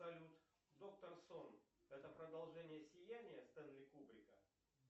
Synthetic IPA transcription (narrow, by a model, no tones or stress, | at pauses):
ɐlʲut̪ | d̪o̞k̚t̪ərsonɛt̪əpɾəd̪ɐlˠʐɛnʲɪjəsʲɪjænʲɪjəst̪ɛnlʲɪkubɾʲɪkə